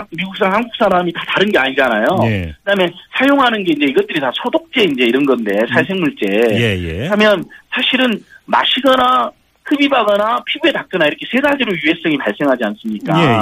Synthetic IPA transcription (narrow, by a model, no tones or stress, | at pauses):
miɡuk̚s͈aŋhanɡuk̚s͈aɾamitataɾɯnɡe̞aɲid͡ʑanajokɯdamjensʰajoŋɦanɯnɡe̞ind͡ʑe̞iɡʌt̚t͈ɯɾitasʰʌdok̚t͡ɕ͈e̞ind͡ʑe̞iɾʌnɡʌnde̞sʰaɭs̬ʰe̞ŋmuɭt͡ɕ͈e̞jjamjʌnsʰaɕʰiɾɯnma̰ɕʰiɡʌna | kɯbibaɡʌnapʰibue̞tak̚k͈ɯnaiɾʌkʰesʰe̞sʰad͡ʑeɾojuɦe̞s͈ʌŋipaɭs͈e̞ŋɦad͡ʑians͈ɯmɲik͈a